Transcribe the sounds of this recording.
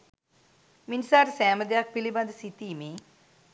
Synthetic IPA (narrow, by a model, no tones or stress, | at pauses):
minsaːɾsɛːməd̪jak̚pilibãnd̪sit̪iːme